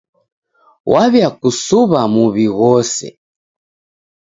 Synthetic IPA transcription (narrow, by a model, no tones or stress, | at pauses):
wʔaβjakusuβamuβiɣɔsɛ̰